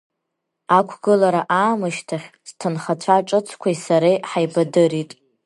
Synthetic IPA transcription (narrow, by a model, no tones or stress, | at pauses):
akʷʰɡɨlaɾaʔaːmɨʃtʰaχʲz̥tʰɨnχat͡ɕʷʰaʈ͡ʂʼɨt͡sʰkʷʰaisaɾejħajbadɨɾitʼ